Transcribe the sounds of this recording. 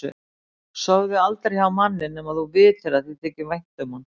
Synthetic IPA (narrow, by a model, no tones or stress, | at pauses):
ʏ̰ | sœːwðɪalt̪ɾejhawmanːɪnːɛmaðθuvɪːθeɾaðθiðt̪ʰɛːcɪvajŋ̥t̪ʏman